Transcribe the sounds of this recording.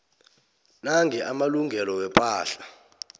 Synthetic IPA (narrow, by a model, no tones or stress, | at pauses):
naŋɡʱɛʔamaluŋɡʱɛlɔwɛpʼaːɬa